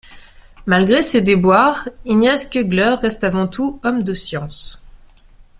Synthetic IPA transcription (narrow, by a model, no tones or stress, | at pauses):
malɡʁesed̪ebwaʁinjɛskəɡlœʁːɛst̪avɑ̃t̪ʰuɔmd̪əsjɑ̃s